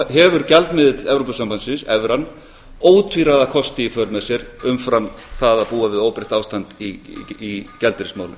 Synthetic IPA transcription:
ɦɛvʏɾcɛlt̪mɪðɪt̪lɛvɾopasampansɪnsɛvɾanː | oːwt̪ʰviɾaðakʰɔst̪ɪifœɾmɛsjɛɾʏmfɾamθaðaðpuːavɪðoːwpɾɪht̪aːwst̪ant̪iicɛlt̪ɪɾɪsmaːwlɪ̰m

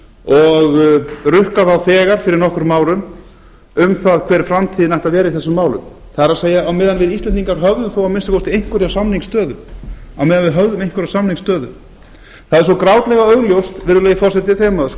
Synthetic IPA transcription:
ɔɣrʏhkaθawθɛːɣaɾ̥fɪɾɪɾnɔhkʏɾmaːwɾʏm | ʏmθaðkʰvɛːɾfɾamt̪ʰiːðɪnajht̪aðvɛːɾaiθɛsːʏmːaːwlʏ̰m | θaðɛɾaðseːjaːwmɪːðanvɪðislɛnt̪iŋkaɾ̥ɦœvðʏmθowawmɪnst̪akowst̪ɪejŋ̥kʏɾiawsamniŋkst̪œːðʏa̰wmɛːðanvɪðɦœvðʏmejŋ̥kʏɾasamniŋkst̪œːðʏ̰ | θaðɛɾs̬ɔkɾaːwt̪lɛɣaœɣljowst̪vɪɾðʏleːjɣɪfɔrsɛt̪ɪt̪ʰɛːmaðʏs

